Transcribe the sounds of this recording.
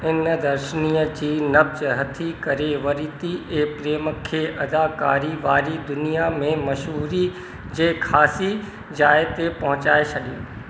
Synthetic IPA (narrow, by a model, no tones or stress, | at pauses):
ɪnd̪ɐɾʃəniːəd͡ʑiːnɐbzɦɐt̪ʰikɐɾeʋɐɾiːt̪iʔeːpɾeːməkʰeːʔɐd̪aːka̰ːɾiʋaːɾid̪ʊnijamẽmɐʃɦuːɾi | d͡ʑeːkʰaːsi | d͡ʑaːet̪epɐɦʊ̃t͡ɕaːet͡ʃʰɐɗiũ